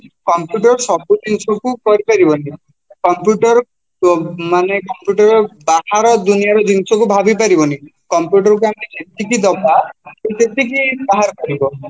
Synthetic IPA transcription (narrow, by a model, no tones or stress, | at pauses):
kɔmpjuʈɔɾsɔbud͡ʒinsɔkukɔɾipaɾibɔni | kɔmpjuʈɔɾ | manekɔmpjuʈɔɾɔbaɦaɾɔd̪unijaɾɔd͡ʒinsɔk̬ubʱabip̬aɾibɔni | kɔmpjuʈɔɾɔk̬uamked͡ʒet̪ik̬id̪ɔbakit̪et̪ikibaɦaɾɔkɔɾibɔ